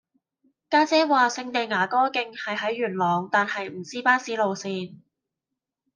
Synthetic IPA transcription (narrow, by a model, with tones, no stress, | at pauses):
kaː˥t͡sɛː˥waː˨sɪ˧ŋt̪e˨˩ŋaː˨˩kɔː˥kɪ˧ŋhɐ˨jɦɐ˨˥jːyː˨˩nlɔː˨˩ŋt̪aː˨nhɐ˨jm̩˨˩siː˥paː˥siː˨˥lo˨wsiː˧n